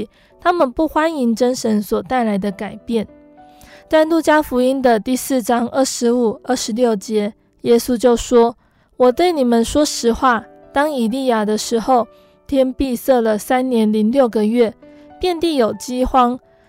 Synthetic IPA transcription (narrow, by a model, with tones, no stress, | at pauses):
t̪ʰa˥mə˨npu˥˩xwa˥ni˧˥ŋʈ͡ʂə˥nʂə˧˥nswɔ˨˩t̪a˥˩ɪla˧˥ɪd̪ə˧ka˨˩ɪpjɛ˥˩n | t̪a˥˧ɪlu˥˩t͡ɕja˥fu˧˥i˥nd̪ə˨t̪i˥˧sɹ̩˥˩ʈ͡ʂɑ˥ŋə˥˩ʂɻ̩˧˥u˨˩ə˥˩ʂɻ̩˧˥ljo˥˩ʊt͡ɕjɛ˧˥ | jɛ˥su˥t͡ɕjo˥˩ʊʂwɔ˥ | wɔ˨˩t̪we˥˩ɪni˨˩mə˨˦nʂwɔ˥ʂɻ̩˧˥xwa˥˩ | t̪ɑ˥ŋi˨˩li˥˩ja˨˩d̪ə˦ʂɻ̩˧˥xo˥˩ʊ | t̪ʰjɛ˥npi˥˧sɤ˥˩lə˩sa˥nnjɛ˧˥nli˧˥ŋljo˥˩ʊɡə˨ɥɛ˥˩ | pjɛ˥˧nt̪i˥˩jo˨˩ʊt͡ɕi˥xwɑ˥ŋ